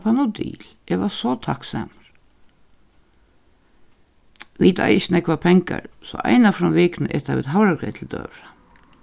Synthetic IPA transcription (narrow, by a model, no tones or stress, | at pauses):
pʰanud̪ḭːlɛʋasɔt̪ʰaksa̰maɾ̥ | ʋit̪a̰jɪt͡ʃːnɛkvapʰɛŋka̰ɹsɔʔa̰jnafɾɔnʋɪːknəʔɛt̪aʋɪðɦawɾaɡɾɛːt̪ʰɪld̪œ̰ːʋɹa